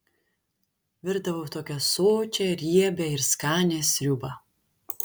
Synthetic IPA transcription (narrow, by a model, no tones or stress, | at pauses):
ʋʲɪɾd̪ɐʋoːt̪oːkʲɛsoːt͡ʃʲɛɾʲiɛbʲɛɪɾskɑːnʲeːsʲɾʲʊbɐ